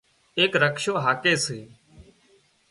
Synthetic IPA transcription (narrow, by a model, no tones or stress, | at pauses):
eːkɾəkʃõːɦaːkeːseː